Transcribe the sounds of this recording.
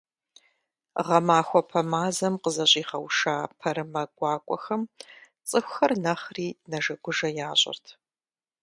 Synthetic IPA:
ʁɐmaːxʷɔpʰɐmaːzɐmqəzɐɕʼiːχɐwʂaːpʰɐɾɨmɐɡʷɑːkʷʼɔ̰xɐm | t͡sʼɨxʷxɐrnɐχriːnɐʒɐɡʷʊʒɐjaːɕʼɪ̰rtʰ

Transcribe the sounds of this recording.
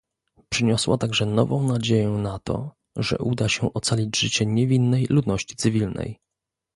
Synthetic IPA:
pʂɘɲɔswat̪aɡʐɛnɔvɔ̃w̃nad͡ʑejɛnat̪ɔ̰ | ʐɛ̰ʔud̪aɕɛʔɔt̪salʲid͡ʑʐɘt͡ɕɛɲɛvʲinːɛjlud̪nɔɕt͡ɕi̥t̪sɘvʲilnɛ̰j

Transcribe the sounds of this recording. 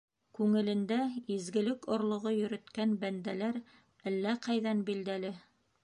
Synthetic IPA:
kʉŋɘ̆lɘ̆nd̪æizɡɘ̆lɘkŏɾlˠŏʁojɵ̆ɾɘ̆t̪kænbænd̪ælæɾ | ælːæqɑjðænbild̪ælɘ

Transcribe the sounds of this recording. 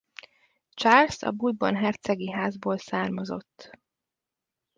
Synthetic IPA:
t͡ʃaːlsɒ̰bud̪bo̰nɦɛrt̪sɛɡiɦaːzboːlsaːrmɒzo̞̰t̪ː

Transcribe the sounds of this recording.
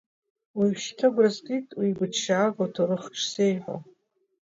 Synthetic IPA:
wiʃtʰaɡʷrazkʼitʼwibɨʃaːɡʷotʰoɾɨχʈ͡ʂʰsejħʷo̰

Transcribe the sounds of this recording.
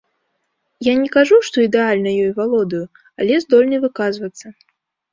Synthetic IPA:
janʲɛkaʐuʂt̪ɔid̪ɛalʲnɐjɔjvalˠɔd̪ɐju | ɐ̰lʲɛzd̪ɔlʲnɐvɨkazvɐt̪sːɐ

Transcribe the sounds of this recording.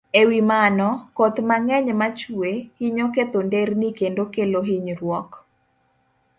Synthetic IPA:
ewimanɔkot̪maŋɛɲmat͡ʃuehiɲoket̪ondernikendokeloɦiɲrwɔk

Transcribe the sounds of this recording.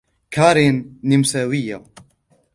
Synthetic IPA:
kʰaːɾeːnːimsaːwija

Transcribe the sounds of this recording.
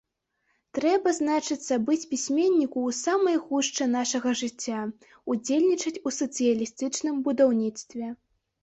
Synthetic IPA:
t̪ɾɛbɐznat͡ʂɨt̪sːɐbɨt͡sʲpʲisʲmʲenʲːikuːsamɐjɣuʂt͡ʂɨnaʂɐɣɐʐɨt͡sʲːa | ud͡zʲelʲnʲit͡ʂɐt͡sʲusɐt̪sɨjɐlʲist̪ɨt͡ʂnɨmbud̪awnʲit̪st̪vʲɛ

